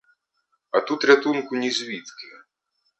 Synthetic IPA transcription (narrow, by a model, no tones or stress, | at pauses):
ɐt̪ut̪ɾʲat̪unkʊnʲizʲʋʲit̪kʲi